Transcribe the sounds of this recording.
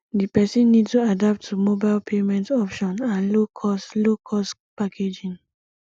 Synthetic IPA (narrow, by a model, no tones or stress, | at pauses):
dipɛsĩnːidstuadap̚tʰːumobaɪlpʰemɛ̃ntɔpʃɔ̃nãnlokʰɔslokʰɔspakʰed͡ʒĩn